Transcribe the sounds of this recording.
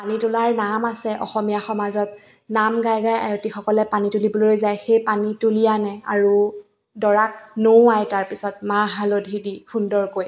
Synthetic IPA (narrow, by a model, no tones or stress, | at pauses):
panitʊlaɹnamasɛʔɔ̰xɔmijaxɔmazɔt̚ | namɡajɡaja̰jotixɔkɔlɛpanituliboloojzajxejpanitulijanɛa̰ɹu | dɔɹak̚nowajtaɹpisɔtmaɦalodʱidixundɔɹkoj